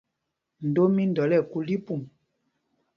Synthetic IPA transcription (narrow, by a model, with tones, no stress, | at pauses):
n̩˨do˦mi˦n˨dɔ˨˦lɛ˦˨ku˦li˦pu˦˨m